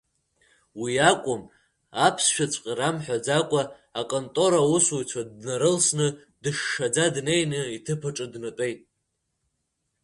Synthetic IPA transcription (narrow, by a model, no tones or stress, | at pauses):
wiakʷʼʊm | apʰsʃᶣat͡sʷʼqʲʼaɾamħʷᶣad͡zakʷʼaː | kʼontʼo̞ɾausujt͡sʷʰadnaɾɨlsnɨ | dɨʂːad͡zadnejnɨitʰɨpʰaʈ͡ʂʼɨdnatʼe̞jtʼ